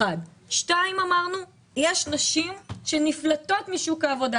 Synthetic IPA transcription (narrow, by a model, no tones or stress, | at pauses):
adʃtaimamaʁnu | jeʃnaʃimʃeniflato̞t̪miʃukaːvo̞da